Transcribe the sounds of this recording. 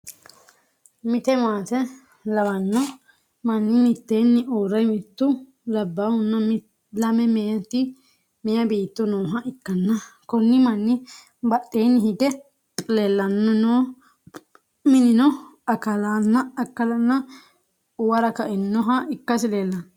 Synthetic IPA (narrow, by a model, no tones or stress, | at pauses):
mɪt̪ɛmaːt̪ɛ | lɐwɐnːɔ | mɐnːɪmɪt̪ːeːnːɪʔoːɾɐjmɪt̪ːʊ | lɐbːaːhʊnːɐm | lɐmɛmejɐt̪ːɪ | mɛjɐbiːt̪ːʊnoːɦɐɪkːɐnːɐkɔnːɪmɐnːɪ | bɐɗeːnːɪɦɪɡ̪ɛ | lelːɐnːɔnoː | mɪnɪnɔɐkɐlaːnːɐːkːɐlɐnːɐ | ʊwɐɾɐkɐʔɪnːɔɦɐɪkːɐsɪleːlːɐn